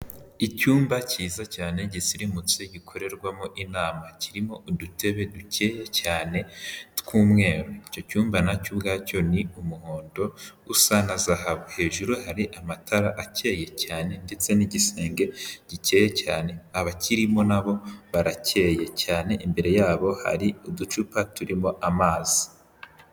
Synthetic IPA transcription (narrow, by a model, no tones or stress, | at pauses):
icuːmbaciːzacaːne̞ɟisiɾimut͡seɟikʰo̞ɾe̞ɾɡwamoʔinaːmaciɾimo̞dutʰe̞βe̞duce̞ːje̞caːne̞tkuːmŋe̞ːɾoico̞cuːmbanacubɡaːco̞niumuhoːndo̞usanazaɦaβohe̞ːʒuɾuhaɾiʔamatʰaɾaʔace̞ːje̞caːne̞nde̞t͡se̞niɟise̞ːŋɡe̞ɟ̥ice̞ːjecaːne̞aβaciɾimo̞naβo̞βaɾace̞ːje̞caːne̞ʔimbe̞ɾe̞jaːβo̞ha̰ɾiudut͡ʃupatuɾimo̞ʔamaːzi̥